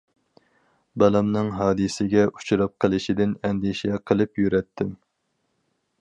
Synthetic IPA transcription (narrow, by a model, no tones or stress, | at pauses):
bɑlˠɛmnɨŋɦɑːd̪ɨsɪɡʲɛu̥t͡ʃʰuɾɑp̚qʰəlˠɨʃid̪ɪnɛnd̪iʃɛqʰəlˠɨpjyɾɛt̪ʰːɪm